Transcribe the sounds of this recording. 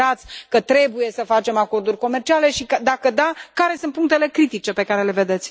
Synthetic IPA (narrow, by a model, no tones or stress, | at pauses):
at̪sʲkət̪ɾe̞buje̞səfat͡ʃe̞mako̞rd̪urʲko̞me̞rt͡ʃiale̞ʃikəd̪akəd̪akaɾe̞sɨnt̪puŋk̚t̪ele̞kɾit̪it͡ʃe̞pe̞kaɾe̞le̞ve̞d̪e̞t̪sʲ